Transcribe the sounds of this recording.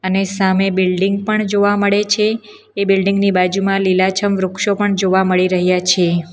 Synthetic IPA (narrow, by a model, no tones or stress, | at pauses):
ənesamebɪlɖɪŋɡ̚pəɳd͡ʒoʋaməɭet͡ʃʰeː | bilɖɪŋɡnibad͡ʒumãlilat͡ʃʰəmʋɾʊkʃopəɳd͡ʒoʋaməɭiɾəɦjat͡ʃʰe